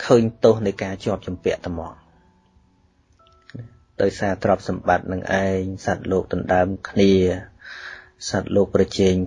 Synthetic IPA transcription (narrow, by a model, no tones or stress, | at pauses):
kʰəːɲt̪oːhnɨjkaːt͡ɕoəp̚t͡ɕumpɛ̆əʔt̪amɑːŋ | n | ɗaɔjsaːt̪rop̚sɑmɓat̪̚nɨŋʔaɛŋsat̪̚loːk̚t̪ɑnɗaəmkʰniə | sat̪̚loːk̚prɑt͡ɕɛːŋ